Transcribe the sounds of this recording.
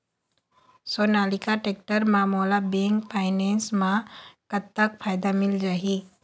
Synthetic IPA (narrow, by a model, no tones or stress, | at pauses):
soːnaːlɪkaʈeːk̚ʈəɾmãːmoːlabeŋɡpʰaːɪneːnsmãkət̪ːəkpʰaːjd̪amɪld͡ʒaːɦi